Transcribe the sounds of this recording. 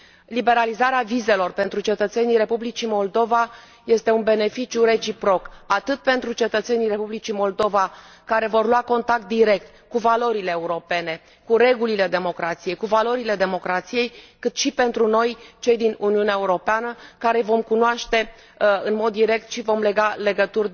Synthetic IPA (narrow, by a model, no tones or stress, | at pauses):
libe̞ɾalizaɾeavize̞lo̞rpe̞nt̪ɾut͡ʃe̞t̪ət̪se̞nijɾe̞publit͡ʃimo̞ld̪o̞va | je̞st̪e̞unbe̞ne̞fit͡ʃjure̞t͡ʃipɾo̞kat̪ɨt̪̚pe̞nt̪ɾut͡ʃe̞t̪ət̪se̞nijre̞publit͡ʃimo̞ld̪o̞va | kaɾe̞vo̞rlwako̞nt̪ak̚t̪̚d̪iɾe̞k̚t̪ | kuvalo̞ɾile̞ːuɾo̞pe̞ne̞ | kuɾe̞ɡulile̞d̪e̞mo̞kɾat̪sije̞jkuvalo̞ɾiled̪e̞mo̞kɾat̪sije̞jkɨt̪ʃipe̞nt̪ɾuno̞jt͡ʃe̞jd̪inuniuneaeuɾo̞peanəkaɾe̞vo̞mkunoaʃt̪e̞ | ɨnmo̞d̪ːiɾe̞k̚t̪ʃivo̞mle̞ɡale̞ɡət̪ur